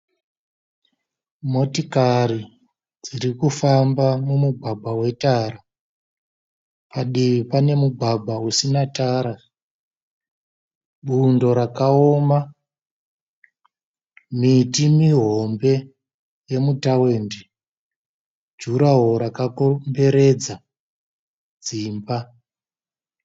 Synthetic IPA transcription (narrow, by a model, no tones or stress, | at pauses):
mo̞tikaɾi | d͡ziɾikufambamumuɡʱwaɡ͡bʱawe̞taɾa | paɗiʋipane̞muɡʱaɡʱausinataɾa | ɓundo̞ɾakaoma | mitimiɦo̞mbe̞ | je̞mutawe̞ːnde | d͡ʒuɾaɦo̞ɾakakombe̞ɾe̞d͡za | d͡ziːmba